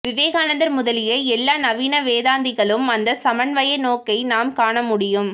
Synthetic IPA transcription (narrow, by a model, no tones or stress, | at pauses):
ʋɪʋeːɣaːnɐnd̪ɐɾmʊðɐlɪjɐɛlːaːnɐʋiːnɐʋeːðaːnd̪ɪɣɐɭɯmɐnd̪ɐsɐmɐɳʋɐjɐnoːkɐɪnaːmkaːɳɐmʊɽɪjɯm